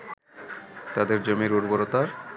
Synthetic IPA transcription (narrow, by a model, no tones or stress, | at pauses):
t̪ad̪eɾd͡ʑomiɾuɾboɾot̪aɾ